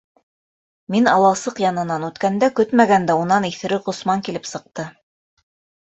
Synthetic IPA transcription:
minɑlˠɑsɤqjɑnɤ̆nɑnʉt̪kænd̪ækɵt̪mæɡænd̪æunɑniθɘ̆ɾɘʁŏsmɑŋkilɘpsɤ̆q̚t̪ɤ

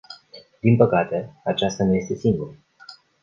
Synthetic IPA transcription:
d̪inpəkat̪e̞at͡ʃast̪anuje̞st̪e̞siŋɡuɾ

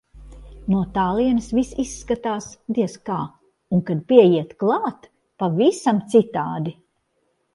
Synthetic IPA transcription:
nuɔt̪aːlˠiɛnɨsvisisːkat̪aːsd̪iɛskaː | uŋkad̪̚piɛjiɛt̪klˠaːt̪ | pavisamt̪sit̪aːd̪i

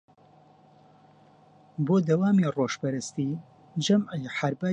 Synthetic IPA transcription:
boːd̪ɐwaːmiːroːʃpɐɾɨst̪iː | d͡ʒɐməjħaɾbaː

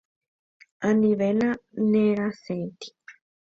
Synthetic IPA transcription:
anĩβenãnẽɾaset̪i̥

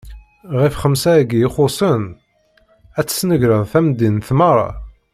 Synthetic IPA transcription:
ʁifχəmsæɡiχʊsˤən | æt͡sːə̥snəʝɾəðˤθæmd̪inθmɑɾˤɑ̰

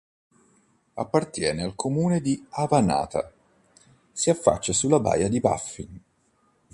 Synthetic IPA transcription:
a̰pːart̪jɛːnealkʰomuːned̪iavana̰ːt̪a̰ | siafːa̰t͡ʃːasulːaba̰ːjad̪iba̰fːin

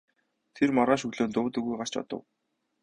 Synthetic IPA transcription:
t̪ʰermɔɾʁaːʃɵɣɮoːnt̪ʊːt̪ɵ̆ɣujɢar̥t͡ɕɔ̰t̪ə̰̆w

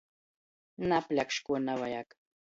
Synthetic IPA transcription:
naplakʃkʊnawajak

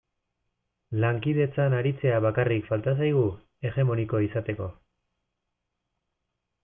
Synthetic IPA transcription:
laŋkiðe̞t͡sanaɾit͡se̞aβakarikfalt̪as̬ajɣ̞u | e̞ɣe̞mo̞niko̞isat̪e̞ko̞

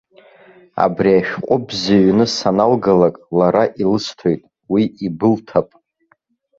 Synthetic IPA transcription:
a̰briaʃᶣqʷʼʊbzaɥnɨsanalɡalakʼlaɾaʔilɨstʰo̞jtʼ | wiibɨltʰapʼ

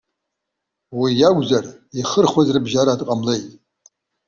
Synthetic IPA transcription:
wijaɡʷzariχərχwazrɨbʒaɾaːdqʼamlejtʼ

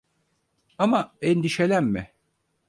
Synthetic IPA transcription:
amaɛnd̪iʃelʲæmmɪ

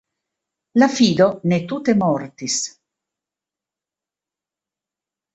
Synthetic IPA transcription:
lafiːd̪onet̪ut̪emɔɾt̪is

